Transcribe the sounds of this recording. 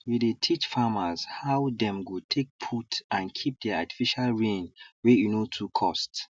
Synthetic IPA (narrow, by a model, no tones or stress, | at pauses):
widetʰit͡ʃfamaz̥hawdɛ̃mɡutʰek̚pʰutãnkʰip̚dɛati̥fiʃalɹẽnwɛjunotʰukʰɔst